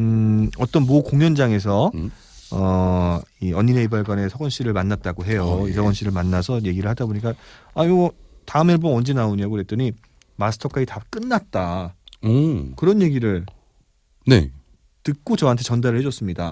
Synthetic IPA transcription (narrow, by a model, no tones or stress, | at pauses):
ʌt͈ʌnmokoŋjʌnd͡ʑaŋe̞sʰʌ | ʌ | iʌɲːineibaɭɡwane̞sʰʌɡʌnɕ͈ʰiɾɯɭmanːat̚t͈aɡoɦe̞joisʰʌɡʌnɕ͈ʰiɾɯɭmanːasʰʌje̞ɡiɾɯɭhadaboɲik͈aaimʌtaɯmeɭbonʌnd͡ʑenaoɲokɯɾe̞t͈ɯɲi | masʰɯ̥tʰʌkʰaitak͈ɯnːat̚t͈a | kɯɾʌnje̞ɡiɾɯɭ | nḛ | tɯk͈ot͡ɕʌɦantʰe̞t͡ɕʌndaɾɯɭhed͡ʑʌs͈ɯmɲida